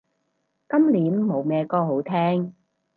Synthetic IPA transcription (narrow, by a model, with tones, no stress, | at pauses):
kɐ˥mliː˨˥mːo˨˧wmɛː˨˧kɔː˥ho˨˥wt̪ʰɛː˥ŋ